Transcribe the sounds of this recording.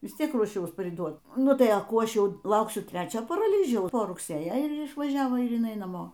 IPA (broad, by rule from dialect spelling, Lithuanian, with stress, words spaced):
ˈʋʲɪs ˈtʲiɛk ruɔˈʃʲɛʊs pʲrʲɪˈduɔt ˈnʊ tɐɪ ɐ ˈkuː ˈɐʃ ˈjɛʊ ˈlˠɐʊksʲʊ ˈtʲrʲæːt͡ʃʲoː pɐrɐˈlʲiːʒʲɛʊs poː rʊkˈsʲeːjɛ ɪr ɪʃʋɐˈʒʲæːʋoː ɪr jɪˈnɐɪ nɐˈmoː